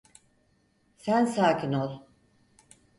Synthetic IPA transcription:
sænsaːkʲʰinolˠ

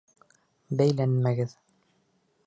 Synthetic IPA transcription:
bæjlænmæɡɘð

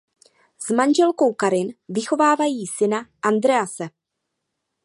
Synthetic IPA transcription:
z̥manʒɛlko̞wkaɾɪnvɪxo̞vaːvajiːsɪnaʔand̪ɾɛasɛ

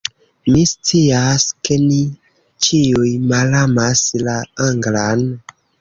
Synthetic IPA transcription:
mist͡siaskeni | t͡ʃiujmalamaslaaŋɡlan

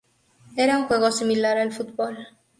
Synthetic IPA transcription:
eɾauŋxweɣosimilaɾalfut̪̚bol

